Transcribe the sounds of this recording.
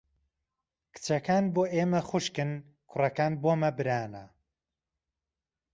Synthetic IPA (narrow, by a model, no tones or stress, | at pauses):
kʰɨ̥t͡ʃɐkaːnboːʔeːmɐxʊʃkɨn | kʰʊrɐkaːnboːmɐbɨɾaːnɐ